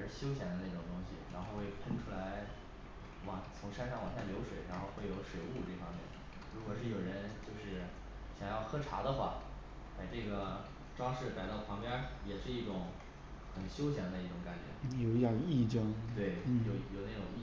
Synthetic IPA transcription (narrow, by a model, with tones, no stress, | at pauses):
ɻ̩˥˧ɕjo˥ʊɕjɛ˧˥nd̪ə˧na˥˩ʈ͡ʂʊ˨˩ŋt̪ʊ˥ŋɕi˨˩ɻa̰˧˥nxo˥˧ʊxwe˥˩ɪpʰə˥nʈ͡ʂʰu˥la˧˥ɪ | wɑ˨˩ŋt͡sʰʊ˧˥ŋʂa˥nʂɑ˥˩ŋwɑ˨˩ŋɕja˥˩ljo˧˥ʊʂwe˨˩˦ɪɻa˧˥nxo˥˧ʊxwe˥˩ɪjo˧˥ʊʂwe˨˩ɪu˥˧ʈ͡ʂɤ˥˩fɑ˥ŋmjɛ̰˥˩n | ɻu˧˥kwɔ˨˩ʂɻ̩˥˩jo˨˩ʊɻə˧˥nt͡ɕjo˥˧ʊʂɻ̩˥˩ | ɕjɑ˨˩ŋjɑ˥˩ʊxɤ˥ʈ͡ʂʰa̰˧˥d̪ə˧xwa̰˥˩ | pa˨˩ɪʈ͡ʂɤ˥˩ɡə˩ | ʈ͡ʂwɑ˥ŋʂɻ̩˥˩ka˨˩ɪt̪ɑ˥˩ʊpʰɑ˧˥ŋpjɛ˥jɛ˨˩ʂɻ̩˥˧i˥˩ʈ͡ʂʊ˨˧˥ŋ | xə˨˩nɕjo˥ʊɕjɛ˧˥nd̪ə˧i˥˩ʈ͡ʂʊ˧˥ŋka˨˩nt͡ɕɥɛ̰˧˥jo˨˩ʊ˥˩ɑ˨˩ŋi˥˩ʈ͡ʂɤ˥ŋt̪we˥˩ɪ˥jo˨˧jo˨˩ʊna˥˩ʈ͡ʂʊ˨˩ŋi˥˩